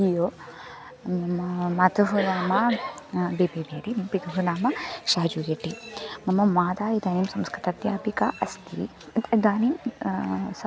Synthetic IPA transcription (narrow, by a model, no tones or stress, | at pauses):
ijo | mɐt̪uɦunaːmɐ | beːbebeːɾimpit̪uɦunaːmɐʃaːd͡ʒujeʈːimɐmɐmaːd̪aːid̪aːniːmsɐmskɾit̪ɐd̪jaːpikaʔɐst̪ḭ | d̪aːniːm | s